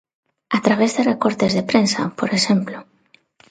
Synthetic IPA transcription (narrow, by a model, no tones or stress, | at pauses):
at̪ɾaβ̞ezðerekoɾt̪ezðepɾensa̰poɾesemplo